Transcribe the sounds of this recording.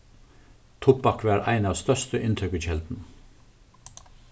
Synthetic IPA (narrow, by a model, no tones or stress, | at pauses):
t̪ʰʊpbɑkʋæːɾʔæ̰ɪnɑːʋst̪œʃtəʔɪnt̪ʰʏkəçɛld̪n̩